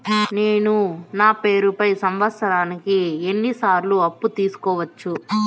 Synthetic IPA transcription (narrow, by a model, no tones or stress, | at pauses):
neːnunaːpe̞ːɾupɐjsɐmʋɐsɐɾaːnikie̞nːisaːɾluɐpːut̪iːsu̥kɔːʋɐt͡ʃːu